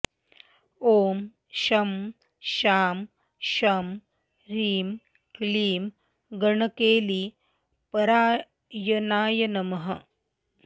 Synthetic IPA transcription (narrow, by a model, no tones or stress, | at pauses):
oːm | ʃɐm | ʃaːm | ʃɐm | ɾiːm | kliːm | ɡɐɳɐkeːli | pɐɾaː | jɐnaːjɐnɐmɐɦɐ